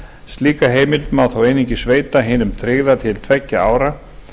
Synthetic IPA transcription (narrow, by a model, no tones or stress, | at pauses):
st̪liːkaɦeːjmɪlt̪mawθawejniɲcɪsveːjt̪aɦɪːnʏmt̪ʰɾɪɣðat̪ʰɪlt̪ʰvɛcːaaːwɾa